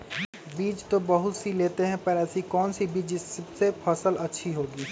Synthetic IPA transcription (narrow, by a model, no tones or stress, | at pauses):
biːd͡ʒt̪obɐɦʊt̪sileːt̪eɦɛ̃pɐɾɛːsikɔːnsibiːd͡ʒɪsɐbsepʰɐsəlɐtːʃʰiɦoːɡiː